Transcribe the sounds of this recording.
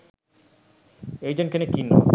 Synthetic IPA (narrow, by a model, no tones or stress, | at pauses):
ejd͡ʑenkenekinːo̰